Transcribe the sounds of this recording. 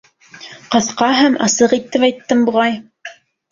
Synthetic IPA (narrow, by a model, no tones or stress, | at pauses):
qɤ̆θqɑɦæmʔɑ̰sɤqit̪ːɘpɑjt̪ːɤmbuʁɑj